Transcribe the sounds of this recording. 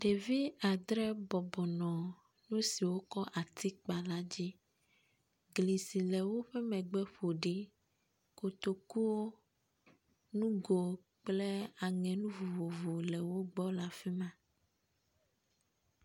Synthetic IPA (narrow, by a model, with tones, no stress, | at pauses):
ɖ̥e˨vi˦a˨d̪ɾɛ˦bɔ˨bɔ˨nɔ̃˨ | nũ˦si˨wo˦kɔ˦ʔa˨t̪i˦k͡pa˨la˦d͡ʑi˦ | ɡli˨si˨lɛ˨wo˦ɸe˦mɛ̃˨ɡ͡bɛ˦ɸo˨ɖi˦ | ko˨t̪o˨ku˦wo˦ | nũ˦ɡo˨ | k͡ple˦a˨ŋɛ̃˨nũ˦vo˨vo˨vo˨lɛ˨wo˦ɡ͡bɔ˦la˨fi˦mã˦